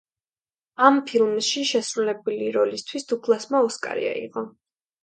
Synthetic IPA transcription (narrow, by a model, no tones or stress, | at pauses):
ampʰilˠmʃiʃɛsɾulɛbuliɾɔlist̪ʰwisd̪̥ukʰlˠasmaɔskʼa̰ɾḭa̰ḭqʼɔ